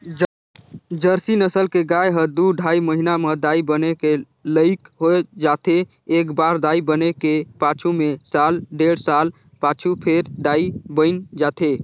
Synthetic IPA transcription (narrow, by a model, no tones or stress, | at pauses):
d͡ʒəɾsinəsəlkeɡajɦəd̪uɖʱaiməɦinaməd̪aibəneke | ləɪkɦoed͡ʒat̪ʰeː | kbaɾd̪aibənekepat͡ʃʰumesalɖeɽsal | pat͡ʃʰupʰeɾd̪aibəɪnd͡ʒat̪ʰe